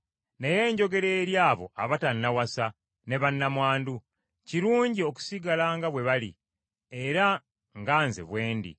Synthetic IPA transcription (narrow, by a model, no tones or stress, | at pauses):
ne̞je̞ːɲɟo̞ɡe̞ɾe̞ːɾjaːβo̞̰ʔa̰βatanːawasa | ne̞βanːamwaːndu | ciɾuːɲɟio̞ku̥siɡalaŋɡaβwe̞βalḭ | e̞ɾa | ŋɡaːnzḛβwe̞ːndḭ